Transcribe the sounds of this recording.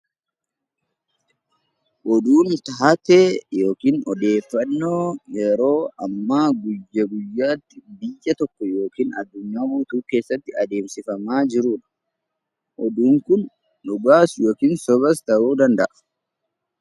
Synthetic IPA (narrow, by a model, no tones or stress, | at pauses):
ʔɔd̪uːnt̪ɐɦɐt̪eːjo̞ːkiːnɔd̪e̞ːfːɐnːoːjɛɾo̞ːɐmːaːɡʊjːɐɡʊjːaːt̪ːɪbɪjːɐt̪ɔkːɔjo̞ːkiːnɐd̪ːʊɲːaːbuːt̪uːke̞ːsːɐt̪ːɪɐd̪e̞ːmsɪfɐmaːd͡ʒɪɾuːᶑɐ̥ | ʔɔd̪uːŋkʊn | ᶑʊɡaːsjo̞ːkiːnsɔbɐst̪ɐʔuːd̪ɐnd̪ɐʔɐ̥